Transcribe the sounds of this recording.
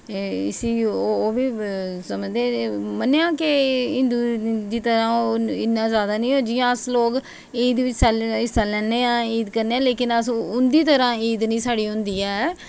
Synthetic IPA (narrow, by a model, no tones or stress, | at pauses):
ɪsiːoːʋiː | səməd͡ʒd̪ẽːməneãːkɪɪ̃nd̪uːd̪iːt̪əɾãːoːɪnːãːzjaːd̪aːnəĩːɦoːd͡ʒɪjãːəsloːk | iːd̪ʋɪt͡ʃsəlɪsaːlɛːneːãːiːd̪kəɾneːãːleːkɪnəsʊnd̪iːt̪əɾãːiːd̪nĩːsaːɽiːɦʊ̃nd̪iːɛː